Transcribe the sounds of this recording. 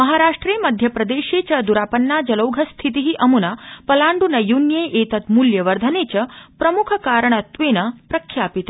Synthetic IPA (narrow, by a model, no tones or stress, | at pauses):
mɐɦaːɾaːʂʈɾeːmɐd̪ʱjɐpɾɐd̪eːʃeːt͡ʃɐd̪uɾaːpɐnːaːd͡ʒɐlɐwɡʱɐst̪ʰit̪̬iɦiʔɐmunapɐlaːɳɖunɐjunjeːʔeːt̪ɐt̪muljɐʋɐɾd̪ʱɐneːt͡ʃɐpɾɐmukʰɐkaːɾɐɳ̃ɐt̪ʋeːnɐpɾɐkʰjaːpit̪ɐ